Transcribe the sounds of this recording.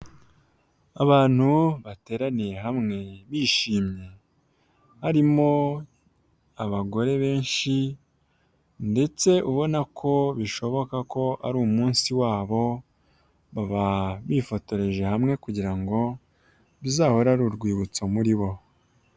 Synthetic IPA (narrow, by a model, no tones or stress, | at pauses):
aβaːn̥huβate̞ːɾanije̞ɦamŋe̞βiːʃiːmɲe̞ | haɾimo̞ | aβaɡo̞ɾe̞βe̞ːnʃi | nde̞t͡se̞ʔuβo̞nakʰo̞βiʃo̞βo̞kako̞ʔa̰ɾuːmuːnsiwaːβo̞ | βaβaβifo̞to̞ɾe̞ʒe̞hamŋe̞kuɟiɾaŋɡo̞ | βizaːho̞ɾaɾuɾɡwiːβut͡somuɾiβo̞